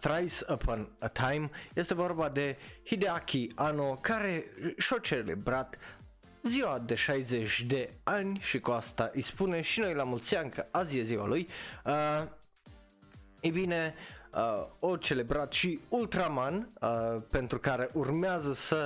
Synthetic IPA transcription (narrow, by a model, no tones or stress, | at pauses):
θɾajsəpʰɔnət̪ʰajmjest̪e̞vo̞rbad̪e̞hid̪eakʲʰianokaɾe̞ʃot͡ʃelḛbɾat̪ | ziwad̪e̞ʃajzet͡ʃʲd̪e̞anʲʃikuast̪aʔijspuneʃino̞jlamult̪siankəazieziwa̰luj | ebine | ot͡ʃe̞le̞bɾat̪ʃiult̪ɾamanpent̪ɾukaɾe̞ʔurmeazəsə